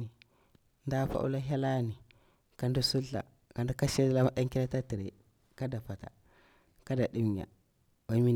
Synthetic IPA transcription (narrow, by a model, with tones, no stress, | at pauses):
i˨ | nda˦fa̰˦ʔṵ˦la˦ɦa˦la˦ni˨ | ka˨ndu˦su˦ɬa̰˨ | ka˨ndu˦ka˦ʃe˦dla˦ɗa˦ŋki˦la˦ta˦ti˨ɾḛ˨ | ka˦da˨fa˨ta̰˨ | ka˦da˨ɗi˦m˨ɲa̰˨ | ba˦mi˦